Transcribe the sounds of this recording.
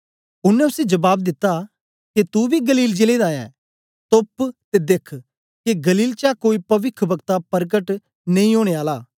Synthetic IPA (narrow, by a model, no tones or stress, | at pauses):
ʊnːɛ̃ʊsed͡ʒɐbaːb̚d̪ɪt̪ːa | ket̪ubʱiɡɐliːld͡ʒeled̪aːjã̰ː | t̪opt̪ed̪ekʰ | keɡɐliːlt͡ʃakoːipɐʋɪkʰbɐɡt̪apɐɾɡəʈ | nɐ̃ĩoːɽ̃eːaːlaː